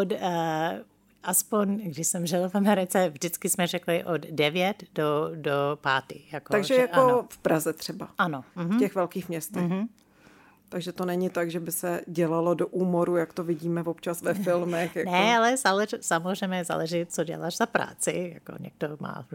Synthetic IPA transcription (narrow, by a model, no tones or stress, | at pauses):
ot | ʔaspoɲɡdɪʃsɛmʒɪlfamɛɾɪt͡sɛvʒdɪt͡skɪsmɛrɛklɪʔoddɛvjɛt̪dodopaːt̪ɪ̰jakot̪aɡʒɛjaofpɾazɛt̪r̝̥ɛbaʔanom̩ɦftɛxvɛlkiːxmɲɛst̪ɛx | t̪aɡʒɛt̪onɛɲɪt̪aɡʒɛbɪsɛɟɛlalodoʔuːmoɾujakt̪ovɪɟiːmɛvopt͡ʃasvɛfɪlmɛxjanɛalɛsalɛsamorɛmɛza̰lɛʒɪt͡soɟɛ̰la̰ʃzapɾa̰ːt͡sɪ̰ja̰ko̰ɲɛ̰ɡ̥̚doma̰ː